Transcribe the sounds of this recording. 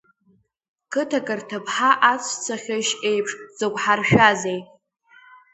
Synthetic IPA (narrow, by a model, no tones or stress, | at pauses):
kʰɨtʰakʼɨrtʰɨpʰħaʔat͡sʷʰt͡sʰaχʲaʃe̞jpʰʂʼzɨkʷħarʃᶣazejtʼ